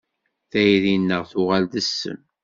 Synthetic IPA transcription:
θæjɾinːəʁθʊʁæld̪əsːə̰n

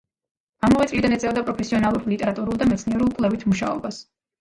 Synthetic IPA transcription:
amɔvɛt̪ʼlid̪anɛt̪sʼɛvd̪apʼɾɔpʰɛsiɔnalˠuɾlit̪ʼɛɾat̪ʼuɾulˠd̪amɛt̪sʰniɛɾulˠkʼlɛvit̪ʰmuʃa̰ɔ̰bas

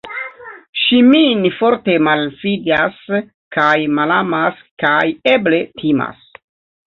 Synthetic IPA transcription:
ʃiminfo̞ɾte̞malfidas | kajmalamas | kajeble̞tʰima̰s

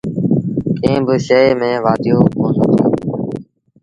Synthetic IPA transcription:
kẽːbɪʃəeːmẽːʋaːd̪ɪjoːkoːnət̪oː

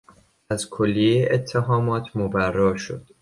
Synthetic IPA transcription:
æzkʰolːieet̪ʰːeɦɒːmɒːt̪ʰmobærːɒːʃo̰d̪̥

